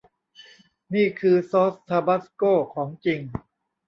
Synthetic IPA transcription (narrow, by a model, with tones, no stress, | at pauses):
niː˥˩kʰɯː˧soː˦˥st̪ʰaː˧ba˦˥˩skoː˥˩kʰɔː˩˦ŋt͡ɕi˧ŋ